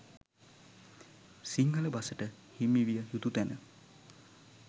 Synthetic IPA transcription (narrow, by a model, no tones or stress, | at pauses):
siŋɡələbasəʈə | himːiʋijəjut̪ut̪ænə